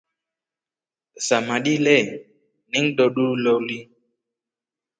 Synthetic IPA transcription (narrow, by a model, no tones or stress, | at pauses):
samaɗilɛ | niŋ̩ɗɔɗulɔwli